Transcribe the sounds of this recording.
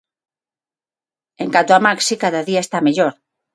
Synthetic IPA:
eŋkant̪oamaksikaðaðiaest̪ameʎoɾ

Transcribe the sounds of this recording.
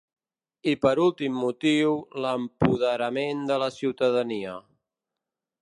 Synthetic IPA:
ipəɾulˠt̪imːut̪iwləmpuðəɾəmend̪ələsiwt̪əðəniə

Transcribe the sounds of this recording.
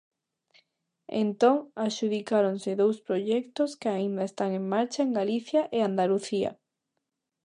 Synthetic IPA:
ḛnt̪oŋaʃuðikaɾonseðowspɾoʒɛkt̪oskeaĩnd̪aest̪aŋẽŋmaɾt͡ʃaeŋɡaliθjaʔeand̪aluθia̰

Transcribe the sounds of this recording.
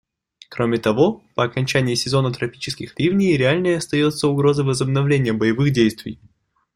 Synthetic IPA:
kɾo̞mʲɪt̪ɐvo̞pəɐkɐnʲt͡ɕænʲɪjːsʲɪzo̞nət̪ɾɐpʲi̥t͡ɕɪ̥skʲɪxɾʲivnʲɪjɾʲɪalʲnəjəɐst̪ɐjo̞t̪səʊɡɾo̞zəvəzəbnɐvlʲenʲɪjəbəjɪvɨxdʲejst̪vʲɪ̰j

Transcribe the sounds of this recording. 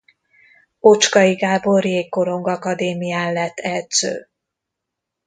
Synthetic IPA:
o̞t͡ʃkɒiɡaːboreːkːo̞ɾo̞ŋɡɒkɒd̪eːmijaːnlɛt̪ːɛlt̪sø̰ː

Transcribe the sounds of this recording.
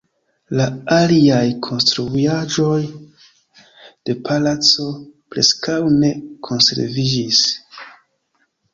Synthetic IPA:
laaliajkʰo̞nstɾuad͡ʒo̞j | d̥e̞pʰalat͡so̞pɾe̞skawne̞kʰo̞nse̞̰ɾvid͡ʒis

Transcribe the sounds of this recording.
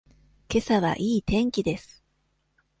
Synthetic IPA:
ke̞saβa̰ʔiːt̪ẽ̞ŋkʲid̪e̞sɨ̥

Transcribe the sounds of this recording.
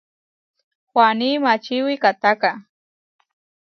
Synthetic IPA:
waniːmat͡ʃɪwɪkat̪aka

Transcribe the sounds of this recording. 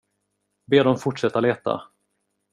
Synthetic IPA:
beːɖ̪ɔmfʊʈʂɛt̪ːaleːt̪a̰

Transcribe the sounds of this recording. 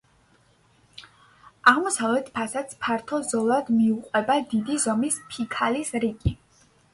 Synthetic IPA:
aʁmɔsavlɛt̪ʰpʰasat̪spʰaɾt̪ʰɔzɔlˠad̪miuqʼwɛbad̪id̪izɔmispʰikʰalisɾiɡi

